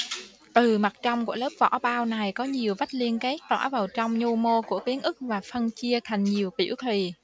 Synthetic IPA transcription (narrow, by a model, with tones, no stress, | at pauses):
t̪ɨ˨˩ma˨˩t̚t͡ɕɔ˧wŋ͡mku˧˩ələː˦˥p̚vɔ̰˧˥ɓaː˧wna˨˩jkɔ˨˦ɲi˨˩əwva˦˥t̚li˧ənkɛ˦˥k̚t̪wa̰ː˧˥˩vaː˨˩wt͡ɕɔ˧wŋ͡mɲo˧mo˧ku˧˩əki˨˦ənʔɨ˦˥k̚vaː˨˩fə˧nt͡ɕi˧ət̪ʰa˨˩jŋ̟ɲi˨˩əwpḭ˧˩əwt̪ʰi˨˩